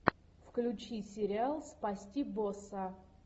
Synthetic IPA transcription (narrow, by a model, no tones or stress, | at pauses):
fklʲʊt͡ɕisʲɪɾʲɪalˠspɐsʲtʲibosɐ